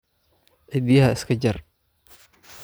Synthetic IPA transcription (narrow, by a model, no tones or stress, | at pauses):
ʔɪd̪iːhɐɪskʰɐd͡ʒɐr